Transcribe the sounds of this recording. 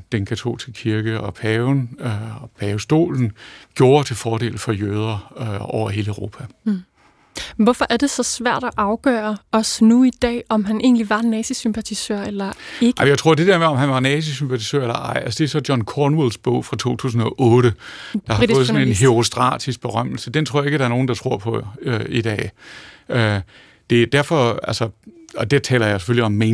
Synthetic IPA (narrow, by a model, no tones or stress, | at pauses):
d̥enkʰæt͡sʰo̝̰ːlisɡ̥əkʰiɐɡ̥əɒ̽pʰɛːʊn | pʰɛːʊsd̥o̝̰ːln̩ɡ̥jo̝ːɐt͡sʰe̝lfɒːɾ̥e̝̰ːlð̩ˠfɒ̽jøːð̞ˠɐʔɒ̰ʊ̰ɐɦe̝ːləʊʁo̝ːpʰæ | ʋɒfɒ̽ʔæɐd̥e̝sɒ̽sʋæɐ̰d̥æʔɑ̈ʊɡ̥œːɐɒ̽snuid̥ɛ̰ːɒ̽mɦænʔe̝̰ːnliʋɑ̈nɛːsisympʰæt͡sʰisøɐ̰elɐeɡɑ̥mjat͡sʰʁoɐ̰d̥e̝d̥eɐmeɒ̽mɦænʋɑ̈nɛːs̬isympʰæt͡sʰisø̰ɐ̰elɐʔɑ̈ɪ̰ælsəd̥e̝æɐsɒ̽djɒ̽nkʰɒnwulsb̥ɔʊ̰fʁɑ̈t͡sʰo̝̰ːt͡sʰṵːs̬n̩ɒʔɔːɾ̥əd̥ɑ̈hfɔð̩sɔnenɦe̝ʁo̝sd̥ʁɑ̰̈d̥isɡ̥̚b̥e̝ʁɶm̰l̩səd̥ent͡sʰʁo̰ɐjeɡ̥əd̥ɑ̈æɐno̝ːn̩d̥ɑ̈t͡sʰʁo̝ɐ̰pʰɒ̽øid̥ɛ̰ː | ø | d̥e̝d̥æɐ̰fɒ̽ælsɒɒ̽d̥e̝t͡sʰɛ̰ːlɐjɑ̈ɪse̥føljiɒ̽mːe